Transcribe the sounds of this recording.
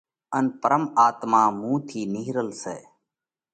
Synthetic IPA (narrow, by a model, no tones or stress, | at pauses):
ənpəɾəmaːt̪maːmũːt̪ʰiːnɪɦɾəlseː